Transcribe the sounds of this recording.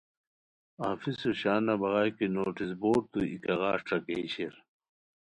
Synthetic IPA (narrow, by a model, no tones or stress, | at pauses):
aːfisuɕaːnɐbɐɣaːjkinoːʈisboːʈ̚t̪uikɐɣaːʂʈ͡ʂɐkeːɕiɾ